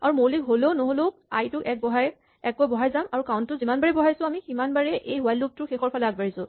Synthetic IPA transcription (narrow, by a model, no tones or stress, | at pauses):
aɹumolikɦoleʊnoɦoloa̰jtʊɛk̚bɔɦaj | ɛkojbɔɦajzamaɹukawntːʊzimanbaɹɛbɔɦajsʊ̃amiximanbaɹɛʔejwɛlːup̚tʊxexɔɹpʰalɛaɡ̚baɹisʊ̃